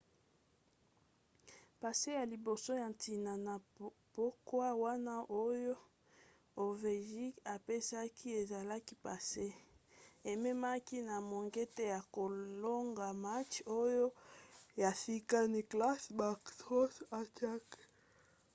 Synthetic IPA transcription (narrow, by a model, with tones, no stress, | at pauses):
pa˨se˦ja˨li˨bo˨so˦ja˨nti˨na˨na˨b̥o˦kwa˦wa˦na˦ʔo˦jo˦ | o˨ve˨ʒi˦ka˨pe˦sa˦kʰi˦e˨za˨la˦ki˦pa˨se˦ | e˨me˦ma˦ki˦na˨mo˨ŋɡe˦te˦ja˨ko˨lo˦ŋɡa˨ma˦t͡ʃo˦jo˦ja˨si˦ka˦ni˦kla˦sba˨kso˦sa˦ta˦k